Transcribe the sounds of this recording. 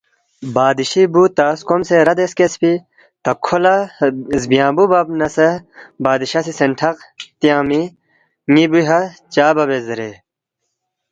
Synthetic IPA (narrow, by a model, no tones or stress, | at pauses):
baːd̪iɕibut̪aːskomseɾɐd̪eskespi | t̪ɐkʰolɐzbijãːbubɐbnɐsɐbaːd̪iɕɐsisenʈʰɐqt̪ijaːmi | ŋibuɦɐt͡ɕaːbɐbezɐɾe